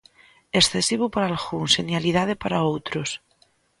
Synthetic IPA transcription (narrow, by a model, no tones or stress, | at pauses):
esθesiβupaɾalxuŋsenjalið̞aðepaɾaowt̪ɾos